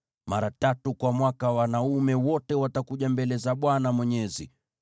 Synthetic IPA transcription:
maɾatatukwamwakawanaumɛwɔtɛwatakuʄambɛlɛzaɓwanamwɛɲɛzḭ

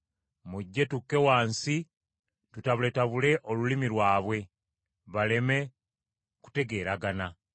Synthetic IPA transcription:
muɟːe̞tukːe̞waːnsi | tutaβule̞taβule̞ʔolulimilwaːβwe̞ | βale̞me̞ | ku̥te̞ɡe̞ːɾaɡana

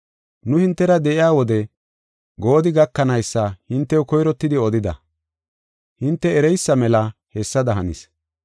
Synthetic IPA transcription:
nʊhɪnt̪ːɛɾɐd̪ɛʔɪjaːwɔd̪ɛ | ɡo̞ːd̪ɪɡɐkːɐnɐjsːɐhɪnt̪ːɛjɔkɔjɾɔt̪ːɪd̪ɪɔd̪ɪd̪ɐ̰ | hɪnt̪ːɛːɾɛjsːɐmɛlɐhɛsːɐd̪ɐɦɐnḭs

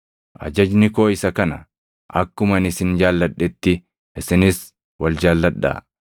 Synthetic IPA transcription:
ʔɐ̰d͡ʒɐd͡ʒnɪko̞ːɪsɐkɐnɐ̰ | ʔɐkːʊmɐnɪsɪnd͡ʒaːlːɐᶑːɛt̪ːɪ | ʔɪsɪnɪs | wɐld͡ʒaːlːɐᶑːɐ̰ː

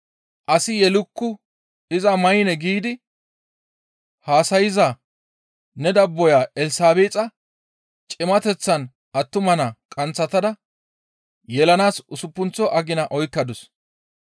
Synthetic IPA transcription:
ʔɐsɪjɛlʊkːʊ | ɪzɐmɐjɪnɛɡiːd̪ɪ | haːsɐjɪza | nɛd̪ɐbːɔjaːɛlsaːbeːt͡sʼɐ | t͡ʃʼɪmɐt̪ɛt͡sːɐn | ʔɐt̪ːʊmɐnakʼɐnt͡sːɐt̪ɐd̪ɐ | jɛlɐnaːsʊsʊpːʊnt͡sːɔʔɐɡɪnɐʔɔjkːɐd̪ʊs

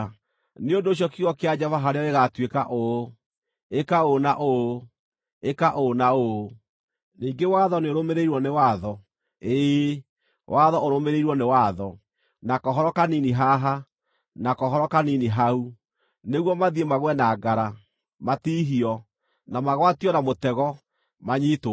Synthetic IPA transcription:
neondoːɕ̬jɔkiɣɔkead͡ʑɛvaɦaɾeɔeɣatwekaʔo | ekaonaʔo | ekaʔonao | niːŋɡewaðɔneoɾomeɾeiɾwɔnewaðɔ | e | wʔaðɔoɾomeɾeiɾwɔnewaðɔ | nakɔɦɔɾɔkaniniɦaɦa | nakɔɦɔɾɔkaniniɦau | neɣwɔmaðiemaɣwɛnaɡaɾa | matiɦiɔ | namaɣwatiɔnamotɛɣɔ | maɲiːto

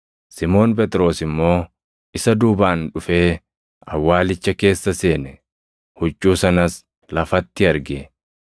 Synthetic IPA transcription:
sɪmo̞ːnpɛt̪ʼɾo̞ːsɪmːo̞ː | ʔɪsɐd̪uːbaːnᶑʊfe̞ː | ɐ̰wːaːlɪt͡ʃːɐke̞ːsːɐse̞ːnɛ | hʊt͡ʃʼːuːsɐnɐs | lɐfɐt̪ːɪɐɾɡe

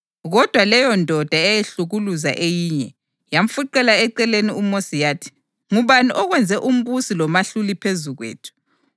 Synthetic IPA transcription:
ɣɔd̥ʱwalɛjɔndʱɔd̥ʱaɛjeɬuɣuluza̰ʔejiːɲɛ | jam̩fuǃɛlaɛǃɛleniumosijatʰi̥ | ŋuβaniʔɔɣwɛnd͡zʱɛʔum̩βusilɔmaɬulipʰezuɣwḛːtʰu̥

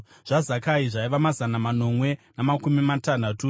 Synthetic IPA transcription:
ʐ̥azakaiʐaiʋamazanamano̞mwe̞namakumimatan̤atu

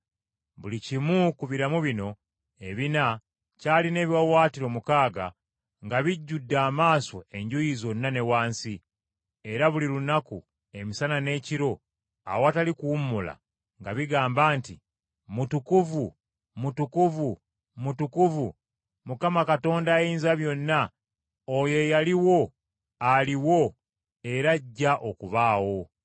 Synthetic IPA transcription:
βulicimukuβiɾamuβino̞ | e̞βina | caːline̞ːβjawaːtiɾo̞mukaːɡa̰ | ŋɡaβiɟːudːaːmaːso̞e̞ɲɟujizo̞nːane̞waːnsi | e̞ɾaβulilunaku | e̞misanane̞ːciɾo̞ | a̰woatalikuumːula̰ | ŋɡaβiɡaːmbaːnti | mutukuvu | mutukuvu | mutukuvu | mukamakato̞ːndajiːnzaβjo̞nːa | ojo̞jaliwo̞ | aliwo̞ | e̞ɾaɟːaʔo̞kuβaːwo̞

